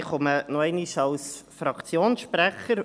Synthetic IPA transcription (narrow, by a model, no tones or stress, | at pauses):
χʊmənoɛɪniʃɑlsfɾɑkt͡sjoːnsʃpɾæχəɾ